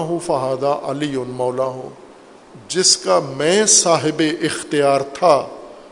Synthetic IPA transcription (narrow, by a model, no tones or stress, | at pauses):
ɦũfɐɦaːd̪aʔɐliʊnmɔːlaːɦõ̰ː | d͡ʒɪskamɛ̃ːsaːɦɪbeʔɪxt̪ijaːɾt̪ʰaː